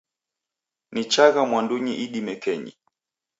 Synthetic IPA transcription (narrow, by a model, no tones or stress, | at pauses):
nit͡ʃaɣamwanduɲiʔiɗimɛkɛɲḭ